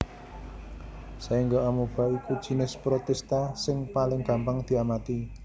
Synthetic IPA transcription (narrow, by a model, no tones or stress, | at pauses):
saiŋɡoamub̥a̤ikud̥ʒ̥i̤nɪspɾot̪ɛst̪asɪŋpalɪŋɡ̥a̤mpaŋd̪̥i̤amat̪i